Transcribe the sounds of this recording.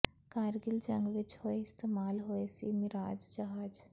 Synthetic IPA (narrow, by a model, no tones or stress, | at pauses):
kaːɾɡɪld͡ʒɐ̃ŋɡʋɪt͡ʃhoːeɪst̪eːmaːlɦoesḭmɪɾaːd͡ʒd͡ʒaɦaːd͡ʒ